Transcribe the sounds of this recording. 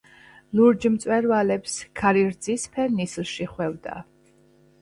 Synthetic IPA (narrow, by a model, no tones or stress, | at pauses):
luɾd͡ʒmt̪sʼwɛɾvalɛpskʰaɾiɾd̪zispʰɛnislˠʃiχwɛvd̪a̰